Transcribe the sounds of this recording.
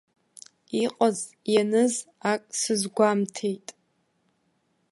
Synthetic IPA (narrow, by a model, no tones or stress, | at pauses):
iqʼaz | janɨzakʼsɨzɡʷamtʰejtʼ